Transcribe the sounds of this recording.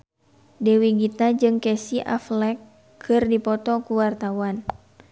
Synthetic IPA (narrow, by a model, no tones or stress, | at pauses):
dɛwiɡit̪ad͡ʒɨŋkɛsiʔa̰flɛkʰː | ɨrdipɔt̪ɔkuwart̪awan